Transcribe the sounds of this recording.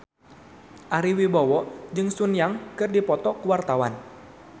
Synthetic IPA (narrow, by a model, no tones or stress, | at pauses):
ʔaɾiwibawɔd͡ʒɨŋsunjaŋkɨrdipɔt̪ɔkəwart̪awan